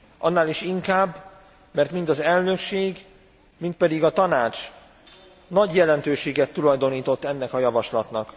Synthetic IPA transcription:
ʔɒ̰nːaːliʃiŋkaːbː | mɛrt̪mind̪ɒzɛlnø̞kʃeːɡ | mint̪pɛd̪iɡɒt̪ɒnaːt͡ʃ | nɒɟjɛlɛnt̪øːʃeːɡɛt̪ːulɒjd̪o̞niːt̪o̞t̪ːɛnːɛkɒjɒvɒʃlɒt̪nɒk

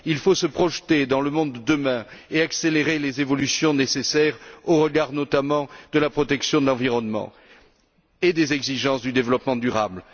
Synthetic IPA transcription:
ilfosəpχɔʒt̪ed̪ɑ̃ləmɔ̃d̪ːəmɛ̃eakseleʁelezevɔlysjɔ̃nesesɛʁoʁəɡaʁnɔt̪amɑ̃d̪əlapχɔt̪ɛksjɔ̃d̪əlɑ̃viʁɔnmɑ̰̃ | ed̪ezɛɡziʒɑ̃sd̪yd̪evəlɔpmɑ̃d̪yʁabl

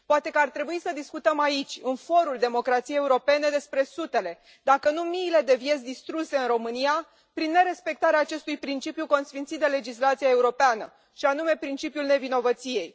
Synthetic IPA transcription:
poat̪ekəart̪ɾe̞buisəd̪iskut̪əmait͡ʃʲɨnfo̞ɾuld̪e̞mo̞kɾat̪sijejeuɾo̞pe̞ne̞d̪e̞spɾe̞sut̪e̞le̞ | d̪akənumiːle̞d̪e̞vjet̪sʲd̪ist̪ɾuse̞ɨnɾo̞mɨnija | pɾinːe̞ɾe̞spe̞k̚t̪aɾeaːt͡ʃe̞st̪ujpɾint͡ʃipjuko̞nsfint̪sit̪̚d̪ele̞d͡ʒislat̪siae̞uɾo̞peanə | ʃianume̞pɾint͡ʃipjulne̞vino̞vət̪sije̞j

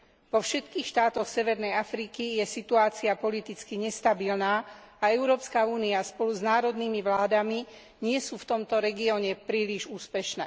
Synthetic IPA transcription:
ʋɔfʃɛt̪kiːxʃt̪aːt̪ɔxsɛʋɛɾnɛjafɾikijɛsit̪uaːt͡siapɔlit̪it͡skiɲɛst̪abilnaː | aɛʊɾɔːpskauːniaspɔluznaːɾɔd̪niːmiʋlaːd̪ami | ɲɪɛsuːft̪ɔmt̪ɔɾɛɡiɔːɲɛpɾiːliʒuːspɛʃnɛː

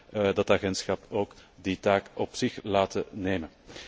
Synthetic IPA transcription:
dɑtaɣɛntsxɑpoːkditaːkɔpsɪxlaːtəneːmən

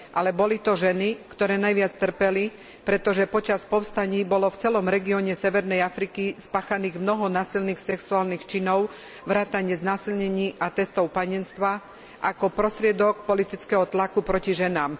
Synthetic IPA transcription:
ʔalɛbɔlit̪ɔʒɛnikt̪ɔɾɛːnajʋɪat͡st̪r̩pɛli | pɾɛt̪ɔʒɛpɔt͡ʃaspɔʊst̪aɲiːbɔlɔft͡sɛlɔmɾɛɡiɔɲɛsɛʋɛɾnɛjafɾikispaːxaniːɣmnɔɦɔnaːsilniːxsɛksuaːlnixt͡ʃinɔʊ | ʋɾaːt̪aɲɪɛznaːsilɲɛɲiːʔat̪ɛst̪ɔʊpaɲɛnst̪ʋa | ʔakɔpɾɔst̪ɾɪɛd̪ɔkpɔlit̪it͡skɛɦɔt̪lakupɾɔciʒɛnaːm

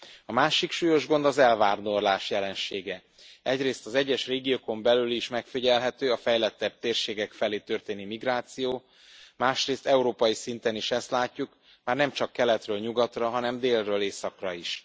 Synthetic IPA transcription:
ɒmaːʃikʃuːjo̞ʒɡo̞nd̪ɒzɛlvaːrd̪o̞rlaːʃjɛlɛnʃeːɡɛ | ɛɟreːst̪ɒzɛɟːɛʃreːɡijoːko̞mbɛlyliʃmɛkfiɟɛlɦɛt̪øːɒfɛjlɛt̪ːɛb̚t̪eːrʃeːɡɛkfɛleːt̪ørt̪eːnimiɡraːt̪sijoː | maːʃreːst̪ɛuɾoːpɒjisint̪ɛniʃɛst̪laːcːuk | maːrnɛmt͡ʃɒkːɛlɛt̪røːlɲuɡɒt̪rɒɦɒnɛmd̪eːlrøːleːsɒkrɒiʃ

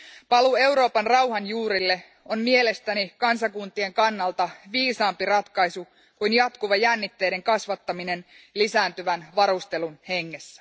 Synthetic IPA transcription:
pɑlue̞wɾo̞ːpɑnrɑwɦɑnjuːɾilːe̞ | o̞nmie̞le̞st̪ænikɑnsɑkunt̪ie̞ŋkɑnːɑlt̪ɑʋiːsɑːmpirɑt̪kɑjsu | kujnjɑt̪kuʋɑjænːit̪ːe̞jde̞ŋkɑsʋɑt̪ːɑmine̞n | lisæːnt̪yʋænʋɑɾust̪e̞lunhe̞ŋːe̞sːæ̥

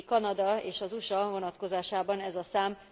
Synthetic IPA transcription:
kɒnɒd̪ɒeːʃɒzuʃɒvo̞nɒt̪ko̞zaːʃaːbɒnɛzɒsaːm

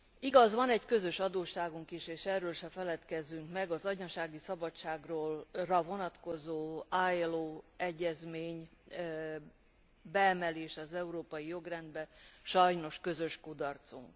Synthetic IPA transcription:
iɡɒzʋɒnɛɟkø̞zø̞ʃɒd̪oːʃːaːɡuŋkiʃeːʃɛrːøːlʃɛfɛlɛt̪kɛzːyŋkmɛɡɒzɒɟɲɒʃaːɡisɒbɒt͡ʃːaːɡroːlrɒvo̞nɒt̪ko̞zoːaːjloːɛɟːɛzmeːɲ | bɛɛmɛleːʃɒzɛuɾoːpɒjijo̞ɡrɛnd̪bɛʃɒjno̞ʃkø̞zø̞ʃkud̪ɒrt̪sṵŋk

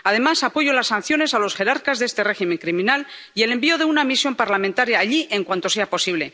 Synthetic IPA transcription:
aðe̞masapo̞ʝolasːan̟θjo̞ne̞salo̞sxe̞ɾaɾkazðe̞st̪e̞re̞ximẽ̞ŋkɾimĩnal | ie̞le̞mbio̞ðe̞unamisjo̞mpaɾlamẽnt̪aɾjaːʎiʔe̞ŋkwant̪o̞se̞apo̞siβle̞

